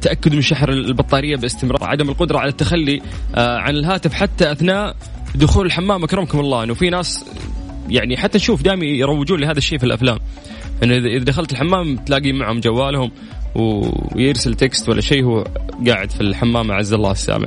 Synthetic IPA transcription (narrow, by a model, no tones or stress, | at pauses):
t̪aʔakːʊd̪mɪnʃaħɾɪlbɑt̪ˤːɑːɾɪjːabɪlɪst̪ɪmɾˤɑ̰ːɾˤʕa̰d̪amɪlqʊd̪ɾˤɑʕalat̪ːaxalːiʕanɪlɦaːt̪ɪfħat̪ːaʔaθnaːʔ | d̪ʊxuːlɪlħamːaːmʔakɾɪmkʊmɑlˤːɑːʔɪnːʊfinaːs | jaʕniħat̪ːanʃuːfd̪aːʔɪmijɾˤɑwːɪd͡ʒuːnlɪhaːðaʃːeːfilʔa̰flaːm | ʔɪnːʊʔɪðʔɪðad̪axalt̪ɪlħamːaːmt̪laːɡiːmaʕhʊmd͡ʒawːaːlhʊm | wjɪɾsalt̪ekst̪walːa̰ʃeːhuːɡaːʕɪd̪filħamːaːma̰ʕazːalːɑ̰ːsːa̰ːma̰ʕ